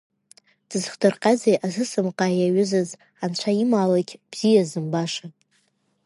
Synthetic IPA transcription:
d̥ɨzχdɨrqʼad͡zejʔazɨsɨmqʼaːjaɥʏzɨz | ant͡ɕʷʰaimaːlakʲb̥z̥ijazɨmbaʂa

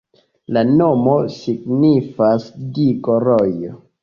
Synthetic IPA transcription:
lanomo̞siɡnifasdikoɾojo

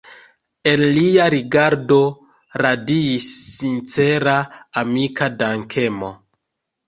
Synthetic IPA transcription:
e̞nliaɾiɡaɾdo̞ | ɾadiisːint͡se̞ɾaːmikadaŋkʰe̞mo̞̰

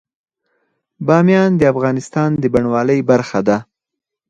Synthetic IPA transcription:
bɑmjɑnd̪əafɣɑnɪst̪ɑnd̪əbaɳwɑləjbaɾxad̪a

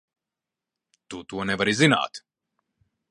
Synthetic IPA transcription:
t̪ut̪uɔnɛvaɾizina̰ːt̪

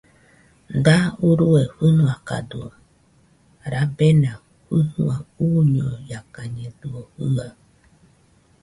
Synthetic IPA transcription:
d̪auɾueɸunũaka̰dṵ | ɾabenã | ɸuhũauɲɔjakaɲẽduohɨŋa

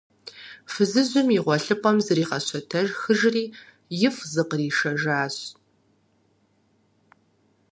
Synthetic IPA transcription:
fɨzɨzʊmiʁʷɔɬɨpʼɐmzɨriːʁɐɕɔtʰɐʒxɨʒriː | jɪfzɨqəriːʃɐʒaːɕ

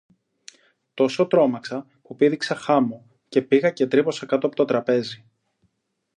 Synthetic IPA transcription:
t̪o̞so̞t̪ɾo̞mɐksɐ | pupiðiksɐxɐmo | ce̞piɣɐce̞t̪ɾipo̞sɐkɐt̪oɐpot̪o̞t̪ɾɐpe̞zi

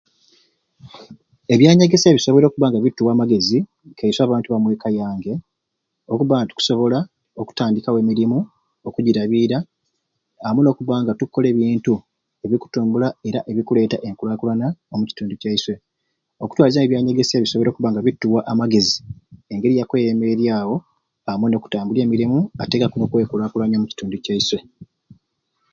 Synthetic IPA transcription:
e̞βjaːɲaɡe̞seβiso̞β̞ɾo̞ːkuβaːŋɡaβitːuwaːmaɡe̞zi | kʰeiswaːβaːntuβamwe̞ːkajaːŋɡe̞ | o̞kuβaːŋɡatu̥ku̥so̞βo̞la | o̞ku̥taːndikawemiɾimu | okuɟiɾaβiɾa | amuno̞ːkuβaːŋɡatukːo̞le̞ːβiːntu | e̞βiku̥tuːmbulae̞ɾaʔe̞βikule̞ːtaʔe̞ŋkulaːkulanaomuci̥tuːnducaiswe̞ | o̞ku̥twaːlizaneβjaːɲe̞ɡe̞seβiso̞βo̞ɾokuβaːŋɡaβitːuwaʔamaɡe̞zie̞ŋɡe̞ɾijakwejeme̞ɾjaːwo̞ | amweno̞ːku̥taːmbule̞ːmiɾimuate̞kakuno̞kwe̞ːkulaːkulaɲomuci̥tuːnducaiswe̞

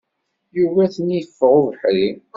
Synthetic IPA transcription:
juvæθəniəfːʁuvħli

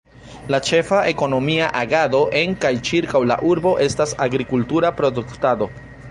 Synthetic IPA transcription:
lat͡ʃe̞faʔe̞ko̞no̞miaʔaɡado̞ʔeŋkajt͡ʃiɾkawla̰ʔuɾbo̞ʔe̞stasaɡɾikultuɾapɾoduktado̞

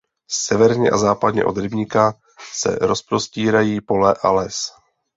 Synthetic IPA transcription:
sɛvɛɾɲɛʔazaːpad̪ɲɛ̰ʔo̞̰d̪ɾɪbɲɪka | sɛ̰ɾo̞spɾo̞sciːɾajiːpo̞lɛʔalɛs

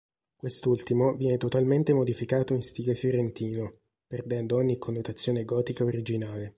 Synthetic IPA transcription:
kwest̪ult̪imovjɛnet̪ot̪alment̪emod̪ifikaːt̪oinst̪iːɡefjoɾent̪iːno | perd̪ɛnd̪ooɲːikʰːonːot̪at̪sːjoːneɡɔːt̪ikaoɾid͡ʒinaːle

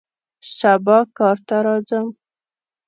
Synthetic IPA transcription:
ʃabɑkɑɾt̪aɾɑzəm

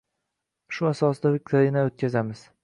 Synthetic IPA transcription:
ʃʊasɒsd̪avɪk̪ʲaɾinaot̪̚kʲazamɪz̥

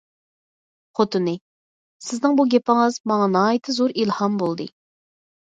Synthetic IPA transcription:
χot̪ʰɨnɨ | sɪznɨŋbuɡʲɛpɪŋɨzmɑŋɑnɑːjit̪ʰɨzoɾilˠhɑmbolˠd̪ɨ̰

